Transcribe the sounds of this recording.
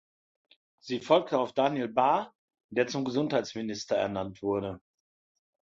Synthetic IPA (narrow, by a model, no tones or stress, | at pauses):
z̥iːfɔlk̚təaʊfd̥aːnelbaɐ | d̥eːɐt͡sʊmɡəzʊnthaɪt͡ssmɪnɪstɐɛ̰ɐnantv̥ʊɐɾə